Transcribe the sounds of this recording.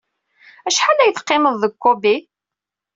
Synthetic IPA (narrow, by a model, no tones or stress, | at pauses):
æʃħalæjθqːeməðˤːəkʷːobi